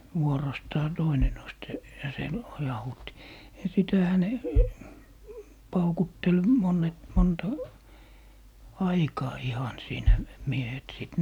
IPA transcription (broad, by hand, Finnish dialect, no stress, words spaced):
ʋuorostɑː toine nost se jɑ se lojɑhuːtːi jɑ sitæhæ ne pɑukutːel monˑet montɑ ɑikɑː ihɑn siːnæ miehet siˑt